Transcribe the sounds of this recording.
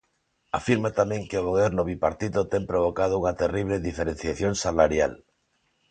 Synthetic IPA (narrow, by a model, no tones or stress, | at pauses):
afiɾmat̪amẽŋkeoɣoβeɾnoβipaɾt̪iðot̪empɾoβ̞okað̞ouŋat̪eriβ̞leðifeɾẽn̟θjaθjonsalaɾjal